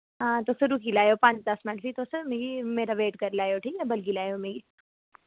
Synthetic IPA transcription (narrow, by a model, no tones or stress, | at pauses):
ɦãːt̪oːsəɾukilaːjopãːɲt͡ʃd̪ɐsmɪnʈpit̪osmeːɡimeːɾaʋeːʈkɐɾlaːjoʈʰiːkɛbɐlɡilaːjomeɡi